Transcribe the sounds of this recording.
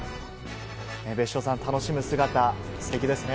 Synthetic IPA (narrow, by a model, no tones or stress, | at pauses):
ebe̞ɕːo̞ːsãnt̪ano̞ɕimɯ̟sɨɡat̪a | sɨ̥t̪e̞kʲid̪e̞sɨne